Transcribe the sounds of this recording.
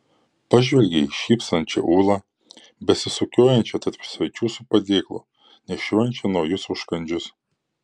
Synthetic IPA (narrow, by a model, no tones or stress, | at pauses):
pɐʒʲʋʲɛlʲɡʲɛiʃʲiːpst̪ɐnʲt͡ʃʲɛ̰ʔuːlˠɑ | bʲɛsʲɪsʊkʲoːjɛnʲt͡ʃʲɛt̪ɐɾʲpsʲʋɐɪt͡ʃʲuːsʊpɐd̪ʲeːklˠʊ̰ | nʲɛʃʲoːjɛnʲt͡ʃʲɛnɔjʊsʊʃkɐnʲd͡ʒʲʊs